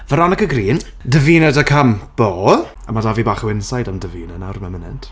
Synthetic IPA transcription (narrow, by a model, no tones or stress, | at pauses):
vəɾanəkəɡriːn | dəviːnədəkʰamb̥oː | amadavibaːχəwɪnsajdamdəviːnanawrmɛmənɛ̰nt